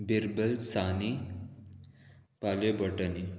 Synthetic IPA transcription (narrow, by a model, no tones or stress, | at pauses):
biɾbəlsani | palebəʈəni